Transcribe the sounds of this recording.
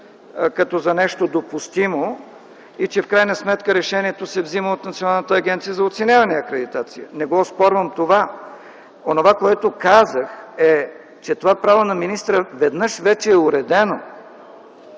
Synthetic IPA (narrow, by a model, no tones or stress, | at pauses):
kɐt̪ɔzɐnɛʃt̪od̪opʊst̪imo | it͡ʃɛfkɾajnəsmɛt̪kəɾɛʃɛniɛt̪osɛvziməot̪nɐt̪sionalˠnət̪əːɡʲɛnt̪sijəzɐot̪sɛnʲavɐnɛɐkɾɛd̪it̪at̪sijənɛɡɔspɔɾvəmt̪ova | onovakoɛt̪okazəxɛ | t͡ʃɛt̪ovapɾavonɐminist̪ɾəvɛd̪nɤʃvɛt͡ʃɛːʊɾɛd̪ɛno